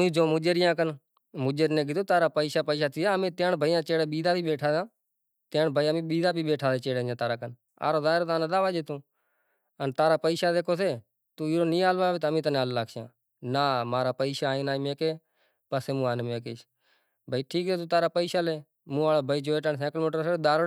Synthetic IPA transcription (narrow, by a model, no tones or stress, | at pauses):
ĩːd͡ʒoːmʊ̃d͡ʒeɾɪjãːkən | mʊd͡ʒeɾnẽːɡɪt̪õːt̪aːɾaːpəiːʃaːpəiːʃaːt̪ʰiːaːmẽːt̪eɳbʱəiːjãːt͡ʃeːɽeːɓiːd̪aːbiːɓeːʈʰaːzãː | t̪ẽːɳbʱəiːãːmĩːɓiːd̪aːbiːɓeːʈʰaːseːt͡ʃeːɽeːãːt̪aːɾaːkən | a̰ːɾoːzaːɾoːt̪aːnəd̪aːʋaːd͡ʒeːt̪ũː | ənt̪aːɾaːpəiːʃaːd̪eːkʰoːseː | t̪ũːiːɾoːnĩːaːlʋaːbet̪əmĩːt̪ənːaːlːlaːkʰʃjãː | naːmaːɾaːpəiːʃaːĩːnaːiːmẽːkeː | pəseːmũːaːnːmẽːkeːʃ | bʱəiːʈʰiːk̚seːt̪uːt̪aːɾaːpəiːʃaːleː | mũːaːloːbʱəiːd͡ʒoːeːʈənsɛ̃ːklmoːʈɾseɗ̪aːɾ